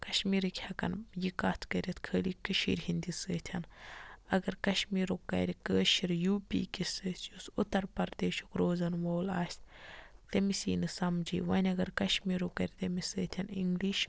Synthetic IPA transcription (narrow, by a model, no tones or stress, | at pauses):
kɐʃmiːɾikʲʰhɐkɐ̰njikaːt̪ʰkɐɾʲɐt̪ʰkʰəːlikiʃḭːɾʲɦinʲd̪isəːt̪ʲʰɐnɐɡɐɾkɐʃmiːɾokːɐ̰ɾʲikəːʃiɾjuːpḭkʲisəːsjusut̪ːɐɾpɐɾd̪eːʃokɾoːzɐnʋoːla̰ːsʲt̪ɐmisḭːnɨsɐmd͡ʒḭːʋɐnʲɐɡɐɾkɐʃmiːɾokɐɾʲt̪ɐmisəːt̪ʲʰɐniŋɡliʃ